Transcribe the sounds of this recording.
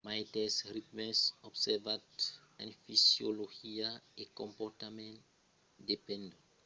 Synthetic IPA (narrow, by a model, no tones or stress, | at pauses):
majtɛsritmɛsɔbsɛvat | ɛ̰̃nfisjoloxiaekɔ̃mpɔrtamɛ̃nt | depɛ̃ndu